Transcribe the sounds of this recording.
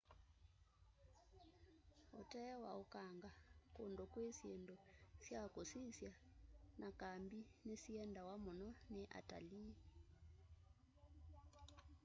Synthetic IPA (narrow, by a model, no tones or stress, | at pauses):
otɛwa̰okaŋɡakondɔkwesjendɔsjakosisjanʔakambinesiɛndawamonɔneʔa̰ta̰li